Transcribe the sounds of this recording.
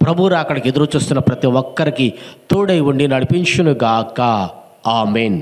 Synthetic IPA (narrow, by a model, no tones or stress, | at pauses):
pɾɐbʱuɾaɐkːɐɽiked̪ɐɾut͡ʃuːst̪unːɐpɾɐt̪iʋɔkːɐɾikit̪uːɽejʋuɳɖinɐɽipint͡ʃɐnuɡaːka | aːmeːn